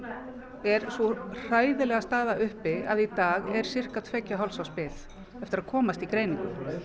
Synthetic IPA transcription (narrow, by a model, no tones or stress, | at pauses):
ɛɾ̥sɔr̥aːjðɪlɛɣast̪aːðaʏhpɪaðit̪aːɣɛɾ̥sɪr̥kat̪ʰvɛcːaɦɔlsawspɪθ | ɛft̪ɪɾaðkʰɔːmast̪ikɾeːjniŋkʏ̰